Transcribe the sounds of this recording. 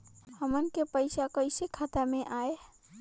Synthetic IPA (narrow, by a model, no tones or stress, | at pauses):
həmənkepəɪsakəjsekʰat̪ameʔae